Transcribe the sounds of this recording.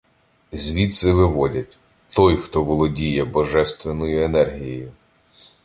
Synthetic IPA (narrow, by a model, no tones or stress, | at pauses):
zʲʋʲit̪sɪʋɪʋɔdʲɐtʲ | t̪ɔjxt̪ɔʋɔlˠɔdʲijɛbɔʒɛst̪ʋenɔjʊenɛrɦʲijɔjʊ